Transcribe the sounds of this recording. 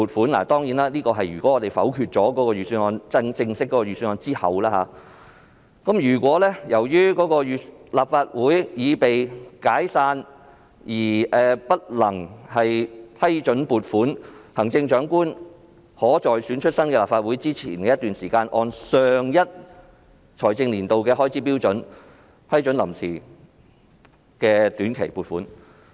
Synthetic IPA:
uː˨t̚fuː˨˥nla̰ː˨˩t̪ɔː˥ŋjiː˨˥naː˥liː˥kɔː˧ɦɐ˨jyː˨kɔ˨˥ŋːɔ˨˧t̪e˨jfɐ̰˨˥wkʰyː˧t̚t͡ʃɔː˨˥kɔː˨˥kɔː˧ɥyː˨˩syː˧nɔː˧nt͡sɐ˥ŋt͡sɪ˧ŋsɪ˥k̚ːɔ˨˦kɔ˧y˨˩syː˧nɔː˧nt͡siː˥hɐ̰˨wlaː˥ha̰ː˨˦ | kɐ˨˥mjyː˨˩kʷwɔː˨˥lɛː˥jɐ˨˩wjyː˥kɔː˨˥kɔː˧jyː˨˧laː˨p̚faː˧t̚wuː˨˥jjiː˨˧pe˨jkaː˨˥jsaː˧n | jiː˨˩ʔɛː˨pɐ˥t̚lɐ˨˩ŋhɐ˨jpʰɐ˥jt͡ʃɵ˨˥npuː˨t̚fuː˨˥nhɐ˨˩ŋt͡sɪ˧ŋt͡ʃœː˨˥ŋkuː˥n | hɔː˨˥t͡ʃɔː˨jsyː˨˥nt͡ʃʰɵ˥t̚sɐ˥nkɛː˧laː˨pfaː˧t̚wuː˨˥jt͡siː˥t͡sʰḭː˨˩nkɛː˧jɐ˥t̪̚yː˨nsiː˨˩kaː˧nʔɔː˧nsœː˨˧ŋjɐ˥t̚ | t͡ʃʰɔ̰ː˨˩jt͡sɪ˧ŋliː˨˩nt̪o˨wkɛː˧ɦɔː˥jt͡sʰiː˨˥piː˥wt͡ʃɵ˨˥n | pʰɐ˥jt͡ʃɵ˨˥nlɐ˨˩msiː˨˩ | kɛː˧t̪yː˨˥nkʰe˨˩jpuː˨t̚fuː˨˥n

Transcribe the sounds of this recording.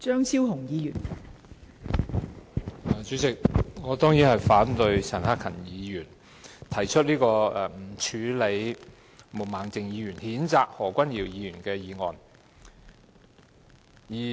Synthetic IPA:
t͡ʃœː˥ŋt͡sʰiː˥wɦʊ˨˩ŋjiː˨˧jyː˨˩n | ɛ˨˩t͡ʃyː˨˥t͡sɪ˨k̚ŋɔː˨˧t̪ɔː˥ŋjiː˨˥nhɐ˨jfaː˨˥nt̪ɵ˧ɥsɐ˨˩nhaː˥kʰɐ˨˩njiː˨˧jyː˨˩n | t̪ʰɐ˨˩jt͡ʃʰɵ˥t̚liː˥kɔː˧ɛ˨m̩˨˩t͡ʃʰyː˨˧le˨˧j | mo˨˩maː˨˩ŋt͡sɪ˨ŋjiː˨˧jyː˨˩nhiː˨˥nt͡saː˧k̚hɔː˨˩kʷɐ˥njiː˨˩wjiː˨˧ɥyː˨˩nkɛː˧jiː˨˧ŋɔː˨n | jiː˨˩

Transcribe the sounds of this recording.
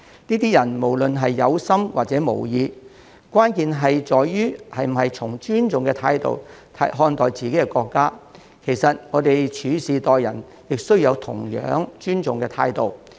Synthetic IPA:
niː˥t̪iː˥jɐ˨˩nmo˨˩wlɵ˨nɦɐ˨jːɐ˨˧wsɐ˥mwaː˨t̚t͡sɛ˨˥mo̰˨˩wjiː˧ | kwaː˥nkiː˨˧nɦɐ˨jt͡sɔː˨jjyː˥hɐ˨jm̩˨˩hɐ˨jt͡sʰʊ˨˩ŋt͡ʃyː˥nt͡sʊ˨ŋkɛ˧t̪ʰaː˧jt̪o̰˨wt̪ʰɐ̰˨˧˥ɦɔː˧nt̪ɔː˨jt͡siː˨ke˨˦˥ɛ˧kɔː˧kːaː˥ | kʰe˨˩jsɐ˨t̚ŋɔː˨˧t̪e˨jt͡ʃʰyː˨˥siː˨t̪ɔː˨jjɐ̰˨˩n | jɪ˨k̚sɵ˥ɥjɐ˨˧wt̪ʰʊ̰˨˩ŋjœ̰ː˨˥ŋt͡ʃyː˥nt͡sʊ˨ŋkɛː˧t̪ʰaː˧jt̪o˨w

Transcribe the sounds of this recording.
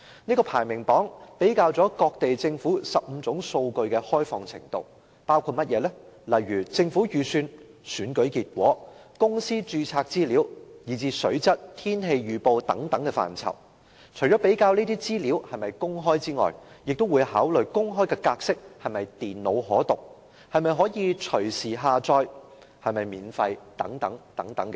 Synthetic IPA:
niː˥kɔː˧pʰaː˨˩jmɪ˨˩ŋpɔː˨˥ŋpe˨˥jkaː˧wt͡sɔː˨˥kɔː˧k̚t̪e˨jt͡sɪ˧ŋfuː˨˥sɐ˨p̚m̩˨˧t͡sʊ˨˥ŋso˧wkɵ˧ɥkɛ˧hɔː˥jfɔː˧ŋt͡sʰɪ̰˨˩ŋt̪o̰˧w | paː˥wkʰuː˧t̚mɐ˥t̚jɛː˨˧lɛ˥lɐ˨jɥyː˨˩t͡sɪ˧ŋfuː˨˥jyː˨˧syː˧nsyː˨˥nkɵ˨˥ɥkiː˧t̚kʷwɔ̰ː˨˥kʊ˥ŋsiː˥t͡ʃyː˧t͡sʰaː˧k̚t͡siː˥liː˨˥wjiː˨˩t͡siː˧sɵ˨˥ɥt͡sɐ˥t̚t̪ʰiː˥nɦe˧jɥyː˨po˧wt̪ɐ˨˥ŋt̪ɐ˨˥ŋkɛː˧fa̰ː˨˩nt͡sʰɐ̰˨˩w | t͡ʃʰɵ˨˩ɥt͡sɔː˨˥pe˨˥jkaː˧wniː˥t̪iː˥t͡siː˥liː˨˥whɐ˨jmɐ˨jkʊ˥ŋɦɔː˥jt͡siː˥ŋɔ̰ː˨j | jɪ˨k̚t̪o˥wu˨˧jhaː˨˥wlɵ˨jkʊ˥ŋɦɔː˥jkɛː˧kaː˧k̚sɪ˥k̚hɐ˨jmɐ˨jt̪iː˨˩nlo˨˧wɦɔː˨˥t̪ʊ˨k̚ | hɐ˨jmɐ˨jɦɔː˨˥jiː˨˧t͡ʃʰɵ˨˩ɥsiː˨ɦaː˨t͡sɔː˧j | hɐ˨jmɐ˨jmiː˨nfɐ˧jt̪ɐ˨˥ŋt̪ɐ˨˥ŋt̪ɐ˨˥ŋt̪ɐ˨˥ŋkɛ˧

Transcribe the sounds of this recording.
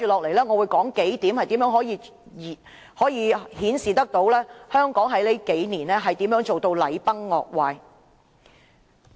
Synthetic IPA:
t͡ʃyː˨lɔː˨k̚le˨˩jlɛː˥ŋɔː˨˧wuː˨˧jkɔː˨˥ŋke˨˥jt̪iː˨˥mhɐ˨jt̪i˨˥mjœː˨˥ŋɦɔː˨˥jiː˨˧˨ | hɔː˨˥jiː˨˧hiː˨˥nsiː˨˩t̪ɐ˥k̚t̪o˨˥wlɛː˥hœː˥ŋkɔː˨˥ŋɦɐ˨˥jle˨˥jke˨˥jniː˨˩nlɛː˥ɦɐ˨jt̪iː˨˥mjœː˨˥ŋt͡ʃo˨wt̪o˧wlɐ˨˧jpɐ˥ŋːɔ̰ː˨k̚waː˧j

